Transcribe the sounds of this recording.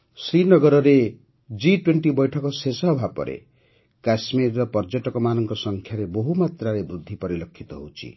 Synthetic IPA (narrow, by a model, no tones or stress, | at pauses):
srinʌɡʌɾʌɾe | d͡ziʈwenʈibʌjʈʰʌkosesʌɦbʱapːʌ̰ɾʔḛ | kasmirːʌpʌrd͡zʌʈʌkɔmanʌŋkosʌŋkʰjaɾeboɦumat̪raɾebrud̪ʱːipʌɾilʌkʰːit̪oɦut͡sʰḭ